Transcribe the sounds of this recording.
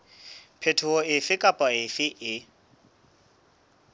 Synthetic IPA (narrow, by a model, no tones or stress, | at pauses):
pʰetʰʊɔɪfɪkʼapʼaɪfɪʔɪ